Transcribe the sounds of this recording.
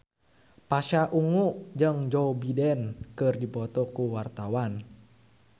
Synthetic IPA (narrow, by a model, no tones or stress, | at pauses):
paʃaʔuŋuʔd͡ʒəŋd͡ʒɔbidɛnkɨrdipɔt̪ɔkuwart̪awan